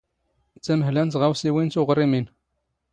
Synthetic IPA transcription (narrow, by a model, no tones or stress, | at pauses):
t͡sːæməhlænt̪ʁæwsiwint͡sʊʁrˤimin